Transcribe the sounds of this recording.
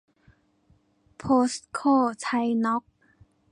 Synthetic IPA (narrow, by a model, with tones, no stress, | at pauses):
pʰoː˦˥st̪̚kʰoː˥˩t̪ʰa˧jnɔ˦˥k̚